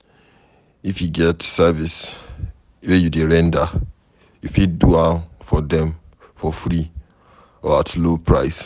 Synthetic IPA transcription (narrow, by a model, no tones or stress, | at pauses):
ifjuɡɛtsɛvis | wejudeɹɛ̃nda | jufid̚duafɔdɛ̃m | fɔfɹi | ɔatlopʰɹaɪs